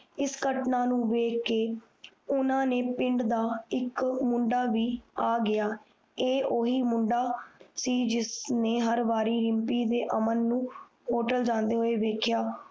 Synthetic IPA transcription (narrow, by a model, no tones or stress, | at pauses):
ɪskəʈnaːnũːʋeːkːeː | ʊnãːneːpɪɳɖd̪aːɪkmʊɳɖaːʋiːaːɡɪaː | eːʔoːɦiːmʊ̃ɳɖaːsiːd͡ʒɪsneːɦəɾʋaːɾiːɾɪmpiːd̪eːʔəmənːũː | ɦoːʈəld͡ʒãːnd̪eːɦoːeːʋeːkʰjaː